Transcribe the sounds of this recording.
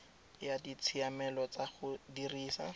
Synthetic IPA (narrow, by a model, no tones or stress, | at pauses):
jadit͡sʰiamɛlɔt͡saχʊdiriːsa̰